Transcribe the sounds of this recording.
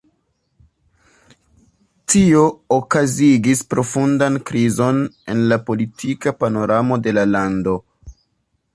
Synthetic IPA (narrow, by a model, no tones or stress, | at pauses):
tio̞ːkaziɡispɾo̞fundankɾizo̞ne̞̰nlapo̞litʰikapano̞ɾamo̞de̞lalando̞